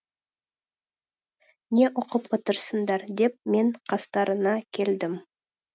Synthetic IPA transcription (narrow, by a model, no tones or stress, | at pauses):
ne̞ʔʊqəpwot̪əɾsənd̪ɑɾd̪e̞p̚me̞ɴqʰɑst̪ɑɾənɑkʲʰe̞ld̪ɪm